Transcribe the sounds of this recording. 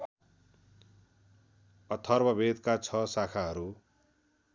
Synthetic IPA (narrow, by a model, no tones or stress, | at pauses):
ʌt̪ʰʌrbʌbed̪kat͡sʰʌsakʰaɦʌɾu